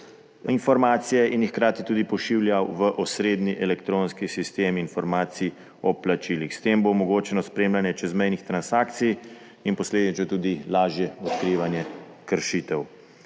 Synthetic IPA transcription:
infɔɾmaːt̪sijɛinxkɾaːt̪it̪uːd̪ipɔʃiwljawʋəʔɔsɾeːd̪niʔɛlɛkt̪ɾoːnskisist̪eːminfɔɾmaːt̪sii | ɔplat͡ʃilixst̪eːmbomɔɡoːt͡ʃɛnɔspɾeːmlanjɛt͡ʃɛzmɛjnixt̪ɾansaːkt̪sij | inpɔsleːd̪it͡ʃ̪ɔt̪uːd̪ilaːʒjɛɔt̪kɾiːʋanjɛ | kəɾʃit̪ɛw

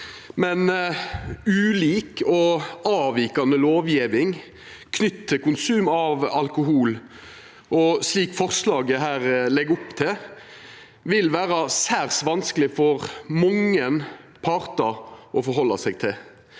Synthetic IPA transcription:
mɛn | ʉːliːkɔɑːʋiːkɑnəloːʋjiːʋɪŋ | kʰnʏt̪t̪ʰːɪkʊnsʉːmɑʋɑlkʊɦuːl | ʔɔsliːkfɔʁslɑːɡəɦæːɾlɛɡʊpt̪ʰɪ | ʋɪlʋæːɾɑsæːʁsʋɑnsklɪfɔʁmɔŋːənpʰɑːɾt̪ɑʔɔfɔɾɦɔlːɑsɛɡ̚t̪ʰɪl

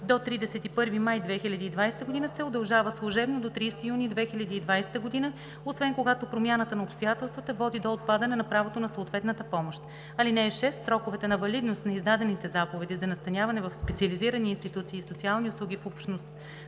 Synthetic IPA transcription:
d̪ot̪ɾid̪ɛsɛt̪ipɤɾvimajd̪vɛxilʲɐd̪iid̪vajsɛt̪əɡod̪inəsɛod̪ɐlˠʒavəslˠoʒɛbnod̪ot̪ɾist̪ijunid̪vɛxilʲɐd̪iːd̪vajsɛ̥t̪əɡod̪inə | osvɛnkoɡat̪opɾomʲjanət̪ənɐopst̪ojat̪ɛlˠst̪vət̪əvɔd̪id̪oːt̪̚pad̪ɐnɛnɐpɾavot̪onɐsoot̪vɛt̪nət̪əpɔmoʃt̪ | ɐlinɛːʃɛst̪sɾɔkovɛt̪ɛnɐvɐlid̪nost̪nɐizd̪ad̪ɛnit̪ɛzapovɛd̪izɐnɐst̪ɐnʲavɐnɛvɐfspɛt̪siəliziɾəniːnst̪it̪ut̪siːsot̪sialˠniʊslˠuɡʲifɔpʃt̪nost̪

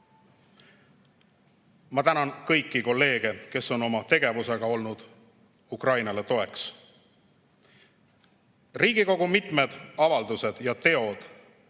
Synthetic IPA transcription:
mɑt̪ænɑnkɤ̞jkːiko̞lːe̞ːɡ̥e̞ke̞so̞no̞mɑt̪e̞ɡ̥e̞vuse̞ɡ̥ɑo̞lnud̪̥ | ukrɑjnɑle̞t̪o̞e̞ks | riːɡ̥iko̞ɡumit̪ˑme̞d̪̥ɑvɑld̪use̞d̪̥jɑt̪e̞o̞d̪̥

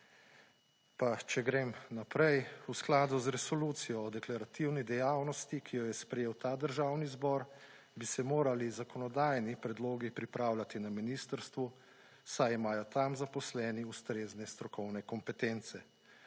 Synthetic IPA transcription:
pat͡ʃɛɡɾeːmnapɾɛjusklaːd̪uzɾɛsɔluːt̪sijɔːd̪ɛklaɾat̪iwnid̪ɛjawnɔst̪ikʰijɔjɛspɾɛjeːwt̪aːd̪əɾʒaːwnizbɔɾ | bisɛmoːɾalizakɔnɔd̪ajnipɾɛd̪loːɡipɾipɾaːwlʲat̪inaminist̪əɾst̪ʋu | sajimaːjɔt̪amzapɔslɛːniust̪ɾeːznɛst̪ɾɔkɔwnɛkɔmpɛt̪ent̪sɛ

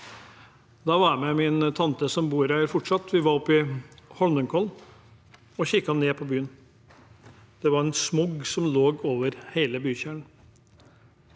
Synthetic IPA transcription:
d̪ɑʋɑmɛmɪnt̪ʰɑnt̪əsɔmbuːɾæɾfɔʈʂɑt̪ʰʋɪʋɑɾɔpːɪhɔlməŋkʰɔln | ɔçɪkːhɑnːeːpʰɔbyːən | d̪̥ɛʋɑɾɛnsmʊɡsɔmloːɡoːʋəɾheɪləbyːçæːɳ̩

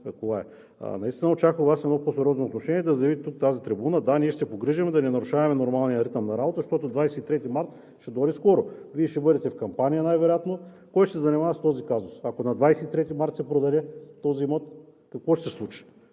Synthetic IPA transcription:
ɐkovaɛ̰ | nɐist̪inəot͡ʃakəovasɛd̪nɔposɛɾʲɔznoːt̪noʃɛnʲiɛd̪ɐzɐjɐvit̪ɛt̪uk̚t̪azit̪ɾibunəd̪aniɛʃt̪ɛpoɡɾiʒɐmɛd̪ɐnɛnɐɾʊʃavɐmɛnoɾmalˠnijəɾit̪əmnɐɾabot̪əʃt̪ɔt̪ʊd̪vajsɛit̪ɾɛt̪imaɾt̪ | ʃɛd̪ɔɾiskɔɾoviɛʃt̪ɛbɤd̪ɛt̪ɛfkɐmpanijənajvɛɾojat̪no | kɔjʃt̪ɛzɐnimavɐst̪ɔzikazʊsɐkonɐd̪vajsɛit̪ɾɛt̪imaɾt̪sɛpɾod̪ɐlɛt̪ɔzimɔt̪ | kɐkvɔʃt̪ɛslˠut͡ʃi̥

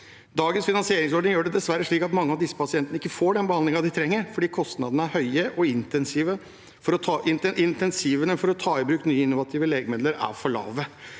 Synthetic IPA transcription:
d̪ɑːɡənsfɪnɑnsɪeːɾɪŋsɔɖɳɪŋjøːɖɛd̪ɛsʋæɾːəʂɭiːkɑt̪mɑŋːəɑʋd̪ɪsːə̥pɑsɪɛnt̪ənəɪkːəfoːɖɛnbəhɑnd̪lɪŋɑd̪ɪt̪ʰɾɛŋːəɾfɔɖiːkʰɔst̪nɑd̪ənəæɾhœʏəʔɔɪnt̪ɛnsiːʋə | fɔɾɔt̪ʰɑʔɪnʔɪnt̪ɛnsiːʋənəfɔɾɔt̪ʰɑːɪbɾʉːkt̪nyːəɪnːʊʋɑt̪ʰiːʋəleːɡəmeːd̪ləɾæ̰ɾfɔɭɑ̰ːʋə

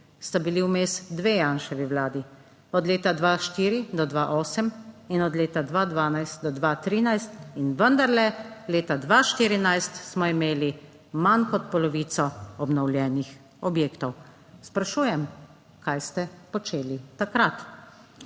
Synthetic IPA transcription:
st̪abiliwmesd̪ʋeːjanʃɛʋiwlaːd̪i | ɔd̪leːt̪ad̪ʋaʃt̪iːɾid̪ɔd̪ʋaʔɔːsɛminɔd̪leːt̪ad̪ʋad̪ʋaːnajst̪̚d̪ɔd̪ʋat̪ɾiːnajst̪inʋənd̪aɾlɛleːt̪ad̪ʋaʃt̪iːɾinajst̪smɔimeːli | mankɔt̪̚pɔlɔʋiːt̪sɔɔbnɔwlʲjɛːnix | ɔbjeːkt̪ɔw | spɾaʃuːjɛm | kajst̪ɛpɔt͡ʃeːlit̪akɾat̪

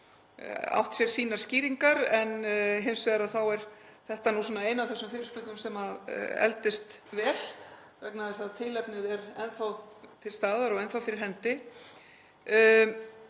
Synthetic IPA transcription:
a̰wht̪sjɛɾ̥siːnaɾ̥sciːɾiŋkaɾɛnɦɪmsvɛɣaɾaðθawɛɾθɛht̪anusɔnaeːjnavθɛsːʏmfɪːɾɪʏspʏk̪nʏmsɛmaðɛ̰lt̪ɪst̪ | vɛːl̥ | rɛknaðɪsaðt̪ʰɪlɛpnɪðɛɾɛnθawt̪ʰɪlst̪aːðaɾɔɣɛnθawfɪɾɪɾ̥ɦɛnt̪ɪ

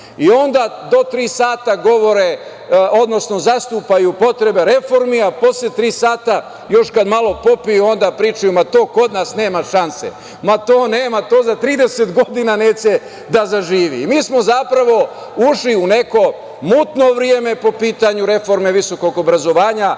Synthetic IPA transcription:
io̞nd̪ad̪o̞t̪ɾiːsaːt̪aɡo̞ʋo̞ɾe | od̪no̞sno̞zast̪uːpajupo̞t̪ɾe̞be̞ɾe̞fo̞ɾmiapo̞slet̪ɾiːsaːt̪a | jo̞ʃkad̪malˠo̞po̞pijuo̞nd̪apɾiːt͡ʃujumat̪o̞ːko̞d̪nasne̞ːmaʃansḛ | mat̪o̞ːneːmat̪o̞ːzat̪ɾiːd̪ese̞t̪ɡo̞d̪inaneːt͡ɕe̞ | d̪azaʒiːʋḭːmiːsmo̞zapɾaʋo̞ | uʃliune̞ko̞ | muːt̪no̞ʋɾijeme̞po̞piːt̪aɲuɾe̞fo̞ɾme̞ʋiso̞ko̞ɡobɾazo̞ʋaːɲa

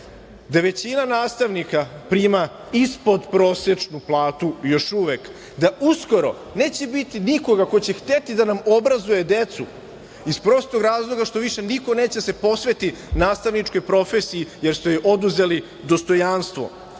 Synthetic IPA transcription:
d̪aʋe̞t͡ɕinanaːst̪aʋnikapɾiːma | ispo̞d̪pɾo̞ːsjet͡ʃnuplˠaːt̪ujo̞ʃuʋek | d̪aʔusko̞ɾo̞̰ | ne̞ːt͡ɕe̞bit̪iniko̞ɡakot͡ɕe̞xt̪e̞t̪id̪anamo̞bɾazuje̞d̪e̞t̪sṵ | ispɾo̞st̪oɡɾaːzlˠo̞ɡaʃt̪o̞ʋiʃe̞niko̞ne̞ːt͡ɕese̞po̞sʋe̞t̪inaːst̪aʋnit͡ʃkojpɾo̞fesijijeɾsojʔo̞d̪uze̞li | d̪o̞st̪o̞janst̪ʋo̞̰

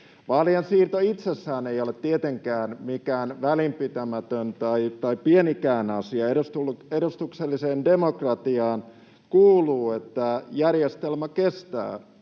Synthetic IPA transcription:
ʋɑljɑnsiːrt̪oit̪sesːæːneiolet̪t̪iet̪eŋkæːnmikæːnʋælimpit̪æmæt̪ønt̪ɑit̪ɑipienikæːnɑsiɑeɾust̪uledust̪ukselːiseːndemokrɑt̪iɑːn | kuːluːet̪ːæjærjest̪elmækest̪æ̰ː

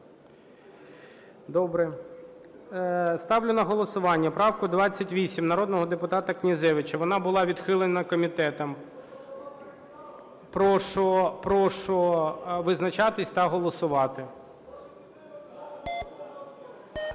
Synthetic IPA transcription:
d̪ɔbɾɛ | st̪ɑwlʲʊnɐɦɔlˠɔsʊʋɑnʲːɐpɾɑwkʊd̪ʋɑt͡sʲːɐtʲʋʲisʲimnɐɾɔd̪nɔɦɔd̪epʊt̪ɑt̪ɐknʲizɛʋɪt͡ʃɐʋɔnɑbʊlˠɑʋʲid̪xɪlˠenɐkɔmʲit̪ɛt̪ɔm | pɾɔʃɔpɾɔʃɔʋɪznɐt͡ʃɑt̪ɪsʲt̪ɐɦɔlˠɔsʊʋɑt̪ɪ

